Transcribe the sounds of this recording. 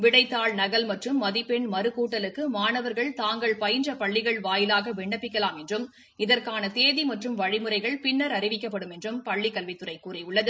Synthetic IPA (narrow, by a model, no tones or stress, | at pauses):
ʋɪɽɐɪt̪ːaːɭnɐɣɐlmɐʈrɯmːɐðipɛɳmɐɾɯkuːʈːɐlɯkːɯmaːnɐʋɐɾɣɐɭt̪aːŋɡɐɭpɐjɪnd͡ʒɐpɐɭːɪɣɐɭʋaːjɪlaːɣɐʋɛɳːɐpːɪkːɐlaːmɛndrɯm | ɪðɐɾkaːnɐt̪eːðimɐʈrɯmʋɐɻɪmɯrɐɪɣɐɭpɪnːɐɾɐɾɪʋɪkːɐpːɐɽɯmɛndrɯmpɐɭːɪkːɐlʋɪt̪ːɯrɐɪkːuːrɛʊɭːɐðɯ